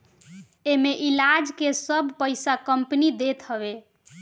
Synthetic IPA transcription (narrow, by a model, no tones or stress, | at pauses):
emeʔilad͡ʒkesəbʱpəɪsakəmpnid̪et̪ɦəβe